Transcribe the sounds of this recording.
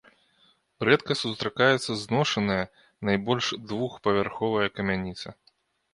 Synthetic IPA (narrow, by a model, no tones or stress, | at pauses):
ɾɛt̪kɐsust̪ɾakajɛt̪sːɐznɔʂɐnɨjɐ | najbɔlʲʂd̪vuxpɐvʲarxɔvɐjɐkɐmʲanʲit̪sɐ